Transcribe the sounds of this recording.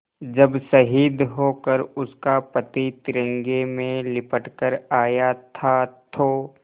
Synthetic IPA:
d͡ʒɐbsəɦiːd̪ɦoːkəɾʊskapət̪it̪ɪɾə̃ŋɡemẽlɪpəʈkəɾaːjat̪ʰat̪ʰoː

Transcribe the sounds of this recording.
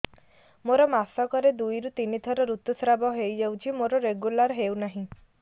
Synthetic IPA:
moɾɔmasɔkɔɾed̪ujɾut̪init̪ʰɔɾɔɾut̪usɾabɔɦejd͡ʒewt͡ʃʰimoɾɔɾeɡulaɾɦewnaɦĩ

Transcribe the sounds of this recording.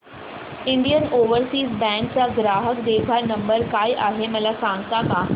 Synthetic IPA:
iɳɖijənoʋəɾsiːsbæ̃ŋk̚t͡saɡɾaɦəkd̪ebʱanəmbəɾkajʔaɦeməlasãŋɡt̪aka

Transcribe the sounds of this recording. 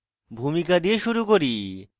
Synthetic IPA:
bʱumikad̪ieʃuɾukoɾi

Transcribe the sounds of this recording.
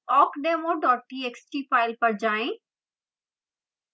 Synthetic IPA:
ɔːkɖeːmõɖɔːʈieːksʈiːpaːɪlpɐɾd͡ʑaːẽː

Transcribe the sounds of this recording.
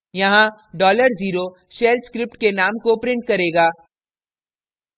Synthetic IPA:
jɐɦãɖɔːləɾziːɾo | ʃeːlskɾɪp̚ʈkenaːmkopɾɪ̃ɳʈ̚kɐɾeːɡaː

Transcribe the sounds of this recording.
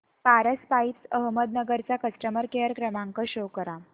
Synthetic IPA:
paɾəspaipsəɦməd̪nəɡəɾt͡sakəsʈəməɾkeəɾkɾəmaŋkəɕokəɾa

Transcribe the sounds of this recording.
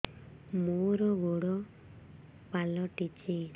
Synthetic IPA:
moɾɔɡoɽɔ | palɔʈit͡ʃe

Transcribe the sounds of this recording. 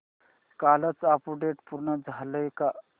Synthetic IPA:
kalət͡sapuɖeʈpuɾnəd͡zʱaləjka

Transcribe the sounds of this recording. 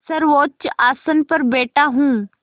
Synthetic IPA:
sɐɾʋoːt͡ʃaːsənpɐɾbeːʈaɦũː

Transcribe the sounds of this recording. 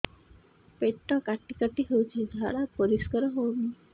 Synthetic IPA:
peʈːɔkaʈːikaʈiɦewt͡ɕid̪ʱaɾapɔɾiskəɾəɦowmi

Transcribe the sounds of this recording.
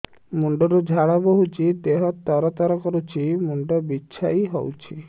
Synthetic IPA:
muɳɖɔɾud͡ʒʱaɭɔbɔɦut͡ʃʰid̪eɦɔt̪ɔɾɔt̪ɔɾɔkɔɾut͡ʃʰimuɳɖɔbitːʃʰajɦɔ̰wt͡ʃʰi

